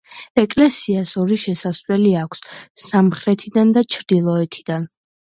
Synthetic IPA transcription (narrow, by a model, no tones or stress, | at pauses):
ɛkʼlɛsiasɔɾiʃɛsaslɛliakʷʰsːamχɾɛt̪ʰid̪and̪at͡ʃʰɾd̪̥ilˠɔɛt̪ʰid̪̥an